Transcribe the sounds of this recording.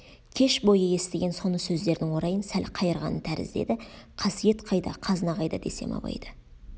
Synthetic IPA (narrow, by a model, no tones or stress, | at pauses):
kʲʰe̞ʃbo̞jəje̞st̪e̞ɡʲe̞nso̞nəsɵzd̪e̞ɾd̪ɪŋwo̞ɾɑjənsælqʰɑjəɾʁɑnənt̪ʰæɾɪ̰zd̪e̞̰d̪ɪqʰɑsije̞t̪qʰɑjd̪ɑqʰɑznɑʁɑjd̪ɑd̪e̞̰se̞̰mɑ̰bˠɑ̰jd̪̥ə